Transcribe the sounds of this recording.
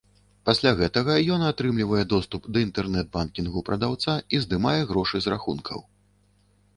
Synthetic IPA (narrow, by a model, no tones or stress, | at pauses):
pasʲlʲaɣɛt̪ɐɣɐjɔnat̪ɾɨmlʲivɐjɛd̪ɔst̪upd̪ɐint̪ɛrnɛd̪̚bankʲinɣupɾɐd̪awt̪saizd̪ɨmajɛɣɾɔʂɨzɾaxṵnkʰɐ̰w